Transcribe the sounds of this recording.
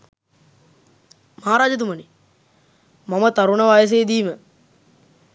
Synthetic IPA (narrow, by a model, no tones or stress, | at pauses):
maɦaːɾaːd͡ʒət̪̬uməni | mamət̪aɾuɳɐʋaːjəs̬ejːd̪iːmə